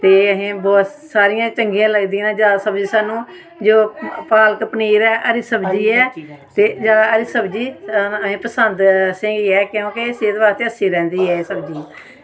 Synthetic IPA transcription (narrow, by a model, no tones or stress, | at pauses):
t̪eːəɦẽːbɔːt̪saːɾijãːt͡ʃəŋɡiãːləɡd̪iːnãːd͡ʒaːsəbd͡ʒiːsaːnũː | d͡ʒoːpaːləkəpniːɾɛːʔəɾiːsəbd͡ʒiːɛːt̪eːd͡ʒaːəɾiːsəbd͡ʒiːəʋẽːpəsənd̪sɪ̃ŋɡiɛːkɪjõːkeseːd̪baːɾt̪eːəsiːɾɛ̃ːnd̪iːɛːsəbd͡ʒiː